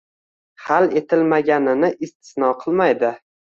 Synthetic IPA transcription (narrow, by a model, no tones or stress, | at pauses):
hale̞t̪ʰɪlmaɡʲanɪnɪʔɪst̪ʰɪ̥snɒqʰɨlˠmajd̪ɪ